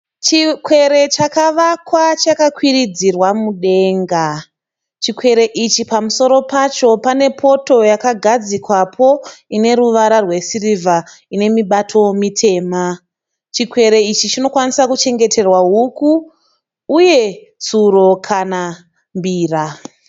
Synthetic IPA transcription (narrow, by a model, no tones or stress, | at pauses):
t͡ʃikwe̞ɾe̞t͡ʃakaʋakwat͡ʃakakwirid͡zirwamuɗe̞ŋɡa | t͡ʃikwe̞ɾe̞ʔit͡ʃipamuso̞ɾo̞pat͡ʃo̞pane̞pʰo̞to̞jakaɡʱad͡zikwapʰo̞ine̞ɾuʋaɾarwe̞sirivʱa | ine̞miɓatʰo̞mitʰe̞ːma | t͡ʃikwe̞ɾe̞it͡ʃit͡ʃino̞kwanisakut͡ʃe̞ŋɡe̞tʰe̞rwaɦukuː | je̞ | t͡suɾo̞kʰana | mbiːra